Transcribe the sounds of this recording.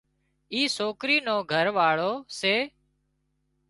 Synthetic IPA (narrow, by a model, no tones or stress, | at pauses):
iːsoːkɾiːnõːɡʱəɾʋaːɭoːseː